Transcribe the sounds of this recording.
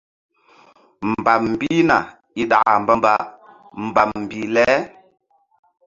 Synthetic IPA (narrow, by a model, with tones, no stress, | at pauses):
m˨ba˨m˨bi˦na˨ | i˦ɗa̰˨a˨mba˦mba˨ | m̩˨ba˨m˨bi˨lɛ˦